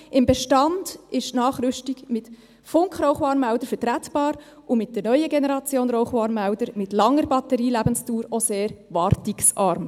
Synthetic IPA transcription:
ɪmbɛʃtɑnd̥ɪʃtnɑːχɾʏʃtiɡmɪt | fʊŋkχɾɔʊχʋɑːɾmæʊd̥əɾfətɾætb̥ɑːɾ | ʔʊmɪt̚d̥ɛɾnœʏəɡenɛɾɑt͡sjoːnɾoʊχʋɑːnmæʊdəɾmɪtlɑŋːəɾbɑtəɾiːlæbənstuːɾoseːɾʋɑɾtiksɑɾm

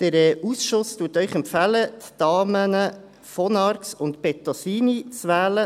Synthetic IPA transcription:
d̪̥əɾɛʔusʃʊstuːtœʏχɛmpfælət̪d̥ɑːmənə | fɔnɑɾksʊntpɛt̪ɔsiːnit͡sʋæːlə

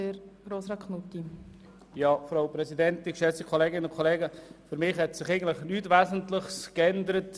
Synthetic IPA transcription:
eɾɡ̥ɾoːsɾɑkʰnutːi | jɑːfɾoʊpɾɛsidɛntɪkʃɛt͡sikʰoleːɡɪnənʊnkʰɔleːɡəfyɾmɪχhɛtsɪχɛɪɡən̩tləɪχnytʋæːzən̩tlɪχskɛndəɾət

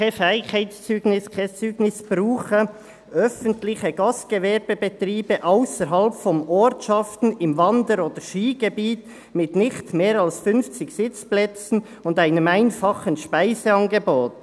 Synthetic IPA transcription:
kafɛɪkhaɪtst͡syːɡnɪskʰɛt͡syːɡnɪsb̥ɾuːχə | œfəntlɪçəɡɑstɡ̥evɛɾbəbɛt̪ɾiːb̥əʔaʊsəɾɦɑlpfɔmɔɾtʃɑftn̩ɪmvɑndəɾoːd̥̪əɾʃiːɡ̥ebiːt | mɪtnɪxtmeːɾɑlsfʏnft͡sɪçsɪt͡splɛt͡sn̩ | ʊndaɪnəmaɪnfɑχənʃpaɪzeɑnɡeboːt

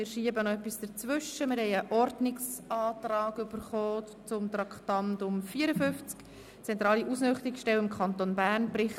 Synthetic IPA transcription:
mɪːɾʃiːəbənɔɛpːisd̥əɾt͡sʋʏʃəmɪɾhɛɪəʔɔɾdnɪksɑːtrɑːɡʏb̥əɾχoː | t͡sʊmt̪ɾɑkχtɑntdʊmfiːəɾəfʏft͡sk | t͡sɛnt̪ɾɑːliʔusnʏχtɪksʃtɛlɪmkʰɑnt̪onbæːɾnbɾɪχ

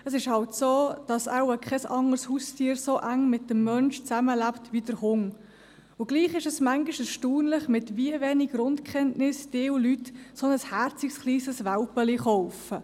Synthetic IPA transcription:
əsɪʃhɑltsoːd̥ɑsawəkχɛsɑŋəɾshuːstʰiːəɾsoʔæŋmɪt̚dəmːœnʃt͡sæməlæptʋidəɾhʊŋ | ʊɡliːχɪʃəsmæŋɡiʃəsʃtuːnlɪχmɪtviəveːnɪɡɾʊntkχɛntnɪsd̥ɪːwlytsonəshæɾt͡sɪksχliːsəsʋælpəliχɔʊfə

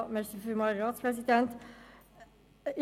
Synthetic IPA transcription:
mɛsəfʉmɑɾɑːt̪spʰɾɛsɪd̪ɛnt̪

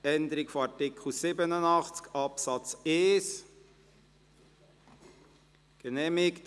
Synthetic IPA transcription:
ɛnd̪əɾɪkfoɑɹtɪkʰχl̩sɪbənənɑχt͡skɑpsɑt͡seːs | ɡ̥ənɛːmɪkt

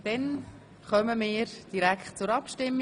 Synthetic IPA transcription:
d̥̪ɛn | χœməmɪːɾd̥iɾækχt̚t͡sʊɾɑpʃtɪmː

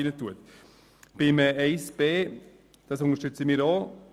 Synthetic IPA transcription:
inətuət̪ | b̥ɪməɛɪsb̥eː | d̥ɑsʊŋəʃtʏt͡səmiːɾoː

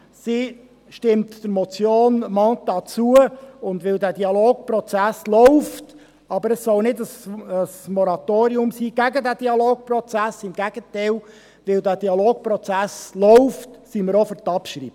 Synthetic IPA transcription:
si | ʃtɪmtd̥əɾmɔt͡sjoːnmɑːt̚d̥̪ɑt͡suəʊndʋɪldæːdiɑloːk̚pɾɔt͡sæslɔʊft | ɑbəɾəsːɔlnɪdəsəsmɔɾɑtoːɾiʊmsiːɡ̥æɡədæd̥iɑloːk̚pɾrɔt͡sæsɪmɡ̥æɡ̥ətɛɪl | ʋɪldæːd̥iɑloːk̚pɾɔt͡sæslɔʊftsiməɾɔfəɾtɑpʃɾḭːbə

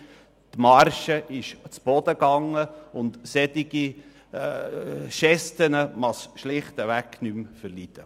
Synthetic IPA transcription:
t̪mɑɾʃəʔɪʃt͡sb̥ɔd̥̪əɡɑŋːəʊnt̪sɛdiɡ̥i | ʃɛstənəmɑsʃlɪχt̪əʋæknymfəɾlid̪̥ə

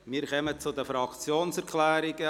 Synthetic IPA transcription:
miːɾχœmət͡sʊdəfɾɑkt͡sjoːnsɛɾkʰlɛːɾɪɡə

